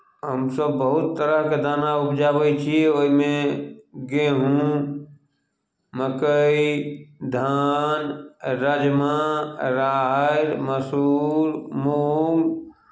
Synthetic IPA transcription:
ɦəmsəbːəɦʊt̪ːəɾəɦked̪aːnaʊpʰd͡ʒabəjt͡ʃʰioːimẽ | ɡeɦũ | məkəid̪ʱanɾəd͡ʒmaɾaːɾməsuːɾmoːŋɡ

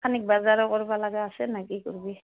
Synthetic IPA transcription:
anik̚bazaɾɔkɔɹibalaɡɛasɛnaɡikuɹbi

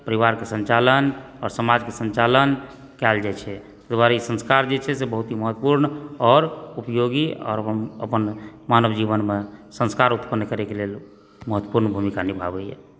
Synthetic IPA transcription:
pəɾiʋaɾkesə̃nt͡ʃalən | ɔɾsəmad͡ʒkesənt͡ʃalən | kɛld͡ʒat͡ʃʰɛ | t̪əd̪waɾaisə̃nskaɾd͡ʒet͡ʃʰɛsebəɦut̪ɦiməɦət̪ːpuɾnɔːɾupjoɡiɔ̰ːɾəəəpənmanəbd͡ʒiβənmesə̃nskaɾut̪pənːkəɾekelel | məɦət̪wəpuɾnbʱumikanibʱabəjɛ̰

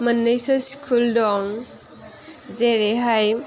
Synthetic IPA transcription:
mɐnːɯjsɔskʰuldɔŋ | zeɾeɦaj

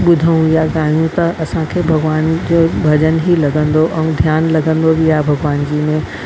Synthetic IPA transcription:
ɓʊd̪ʱəũjaɡaːijũt̪ɐɐsãkʰeːbʱɐɡʋaːnd͡ʑoːbʱɐʄənɦilɐɡə̃nd̪oʔɛ̃d̪ʱjaːnlɐɡə̃nd̪obʱiaːɦebʱɐɡʋaːnd͡ʑiːmẽ

